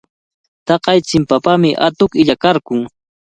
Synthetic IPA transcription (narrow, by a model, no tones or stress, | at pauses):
t̪ɑqɑjt͡sɪmpapamɪʔa̰t̪ʊkɪʎakaɾkʊŋ